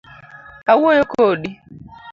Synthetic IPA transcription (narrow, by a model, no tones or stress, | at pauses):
awuojokoɗi